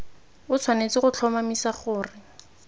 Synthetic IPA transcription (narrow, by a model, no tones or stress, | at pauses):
ʊt͡sʰwanet͡sɪχʊt͡ɬʰɔmamisaχʊːrɪ